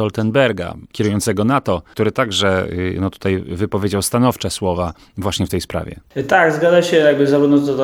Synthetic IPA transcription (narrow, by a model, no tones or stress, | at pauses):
ɔlt̪ɛnbɛɾɡa̰kʲɛɾujɔnt̪sɛɡɔnat̪ɔt̪uɾɘt̪aɡʐɛnɔt̪u̥t̪ajvɘpɔvʲjed͡ʑawst̪anɔft͡ʂɛswɔva | vwaɕɲɛft̪ɛjspɾa̰vʲɛ̰t̪aɡzɡad̪aɕɛjaɡ̚bɘzavud̪nɔt̪ɔ